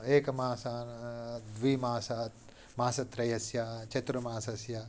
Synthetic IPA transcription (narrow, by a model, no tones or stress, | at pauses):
eːkɐmaːsaːnd̪ʋiːmaːsat̪ | maːsɐt̪ɾɐjɐsjat͡ʃɐt̪ɾumaːsɐsjaː